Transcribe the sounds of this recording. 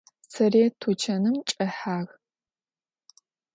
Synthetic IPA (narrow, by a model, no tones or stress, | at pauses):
sʰɐreːtʰut͡ʃʰɐnɨmt͡ʃʼɐħaːɣ